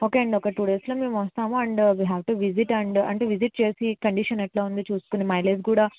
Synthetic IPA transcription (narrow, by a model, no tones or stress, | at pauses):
oːkeːɐɳɖɔkɐʈuːɖeːsloːmeːmuʋɐst̪aːmuɐɳɖʋiːɦɛːʋʈuʋiziʈɐɳɖɐ̰ɳʈeːʋiziʈ̚t͡ʃeːsikɐɳɖiʂɐnɐʈlaːund̪it͡ʃuːsu̥kunimɐjleskuːɽaː